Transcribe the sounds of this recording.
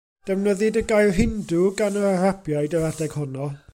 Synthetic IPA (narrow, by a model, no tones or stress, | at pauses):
d̥ɛvnəðɪdəɡajrɦɪndʊɡanəarabjajdəɾadɛɡ̥hʊnɔ